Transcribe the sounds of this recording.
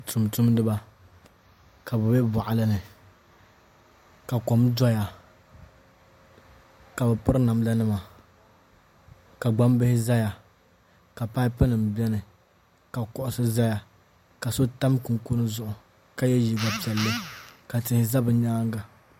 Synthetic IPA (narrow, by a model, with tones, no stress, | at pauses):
tʰu˨mtu˦mdɨ˦ba˦ | ka˨bɛ˨bɛ˦ba˨ʔa˨lɨ˦nɨ˨ | ka˨kɔ˨mdɔ˦ja˨ | ka˨bɛ˨pʊ˦ɾɨ˦na˨m˦la˦nɨ˦ma˨ | ka˨ɡ͡ba˦mbɪ˦hɪ˦za˦ja˨ | ka˨pa˦ɪ˦pɨ˦nɨ˨m˨bɛ˦nɨ˨ | ka˨kɔ˦ʔʊ˦sɨ˦za˦ja˨ | ka˨so˦ta˦m˦kʊ˨ŋ˦ku˦nɨ˦zʊ˦ʔʊ˨ | ka˦jɛ˦ji˦ɡa˨pi˨ɛ˨lːɨ˦ka˨tɪ˨hɪ˨za˦bɨ˨ɲaː˦ŋ˦ɡa˨